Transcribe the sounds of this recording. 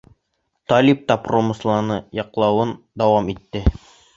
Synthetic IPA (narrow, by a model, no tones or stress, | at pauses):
t̪ɒlʲip̚t̪ɑpromɤ̆slˠɑnɤjɑqlˠɑwɤn | d̪æwɑmit̪ːɘ